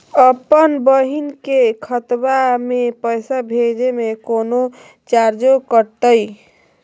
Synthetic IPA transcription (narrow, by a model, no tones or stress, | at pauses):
əpənbəɦinkekʰət̪bamepəjsabʱed͡ʒemekono | t͡ʃaɾd͡ʒokəɾt̪əj